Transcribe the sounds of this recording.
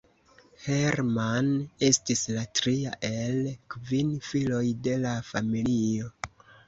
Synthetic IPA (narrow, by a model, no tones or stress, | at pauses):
he̞ɾmane̞stislatɾia̰ʔe̞lkvinfilo̞jde̞lafamilio̞